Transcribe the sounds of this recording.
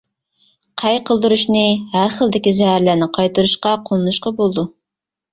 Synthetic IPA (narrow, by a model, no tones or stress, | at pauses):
qʰæjqʰəlˠd̪uɾuʃnɨhæɾχəlˠd̪ɪkʲizɛhæɾlæɾnɪqʰɑjt̪ɨɾuʃqɑqʰolˠɨnuʃqɑbolˠd̪u